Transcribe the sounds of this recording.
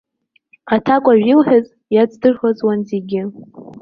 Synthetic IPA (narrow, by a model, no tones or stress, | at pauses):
atʰakʷʼaʒᶣilħaz | jad͡zdɨrχazwanzeɡʲɪ